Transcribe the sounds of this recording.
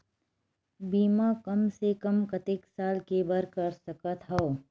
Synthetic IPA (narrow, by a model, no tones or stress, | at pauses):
biːmakɐmsekɐmkɐt̪ɪksaːlkebɐɾkɐɾsɐkət̪ɦɐo